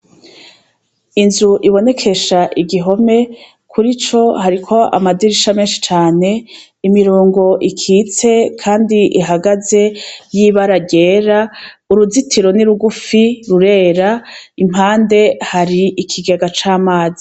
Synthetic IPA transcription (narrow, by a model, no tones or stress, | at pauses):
inzuʔiβo̞ne̞kʰe̞ʃaʔiɡiɦo̞me̞ | kʰuɾit͡ʃo̞haɾikʰo̞a̰madiɾiʃame̞ːnʃi̥t͡ʃaːne̞ | imiɾoːŋɡo̞ʔikʰiːt͡se̞kʰaːndiʔiɦaɡaze̞jiβaɾaɟe̞ːɾauɾuzitʰiɾo̞niɾuɡufiɾuɾe̞ːɾaim̥haːnde̞haɾiʔikʰiɡeɡat͡ʃaːmaːzi